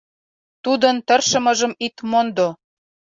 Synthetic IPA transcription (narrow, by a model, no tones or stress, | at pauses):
t̪ud̪ə̆nt̪ərʃə̆mɤ̆ʒə̆mit̪mond̪o